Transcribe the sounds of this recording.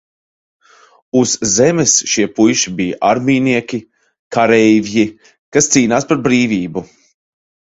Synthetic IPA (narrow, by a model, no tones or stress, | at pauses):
uz̥ːɛmɛsʃiɛpujʃibijaʔaɾmiːniɛkʲi | kʰaɾɛjvji | kast̪siːnaːspaɾbɾiːvʲiːbu